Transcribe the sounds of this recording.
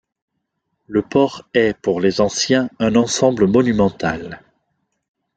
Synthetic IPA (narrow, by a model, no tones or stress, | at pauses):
ləpɔʁɛpuʁlezɑ̃sjɛ̃ɛ̃nɑ̃sɑ̃bləmɔnymɑ̃t̪al